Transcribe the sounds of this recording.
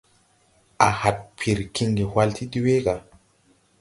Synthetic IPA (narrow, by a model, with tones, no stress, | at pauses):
ʔa˨ha˨t̚pʰi˨ɾki˧ŋɡi˨hwa˧ltʰi˦di˦we˦ɡa˨